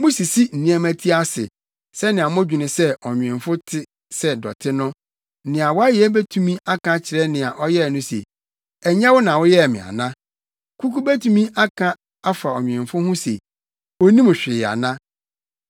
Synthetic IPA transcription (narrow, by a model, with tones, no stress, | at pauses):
mʊ̃˦si˨si˦n̩˨ĩ˦æ˦mæ̃˦tʰi˦a˦sɪ̰˨ | sɛ˦nɪ̃˨a˨mʊ̃˦d͡ʑᶣɪ˨nɪ̃˨sɛ˦ɔ˨ɲᶣ˨ɪ̃˨fʊ˦tʰɪ˦ | sɛ˦dɔ̰˨tʰɪ˦nʊ̃˦ | nɪ̃˨a˨wɔ˦a˦jɪ˨ɛ˦bæ˦tʰũ˨mĩ˦a˦kʰã˦t͡ɕʰɪ˨ɾɛ˦nɪ̃˨a˨ʔɔ˦jɛ˦˨nʊ̃˦sḛ˨ | ɛ˨ɲ˦ã˦wʊ˦nã˨wʊ˦jɛ˦˨mɪ̰̃˨a̰˨nã˦ | kʰu˦ku˦bæ˦tʰũ˦mĩ˦ʔa˦kʰã˦ | a˦fa˨ɔ˨ɲᶣ˨ɪ̃˨mfʊ˦hʊ̃˦sḛ˨ | o˦nĩ˦m̃˨ɕᶣɪ˨a̰˨nã˦